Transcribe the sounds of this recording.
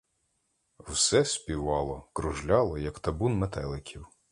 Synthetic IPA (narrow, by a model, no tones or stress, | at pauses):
wsɛsʲpʲiʋɑlˠɔkɾʊʒlʲɑlˠɔjɐkt̪ɐbunmet̪ɛlˠɪkʲʰiw